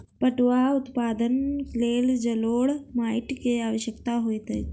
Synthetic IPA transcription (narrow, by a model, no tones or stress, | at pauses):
pəʈʋaut̪paːd̪ənkleːld͡ʒɐloːɽmaːiʈkeaːʋəɕjəkt̪aɦojt̪əj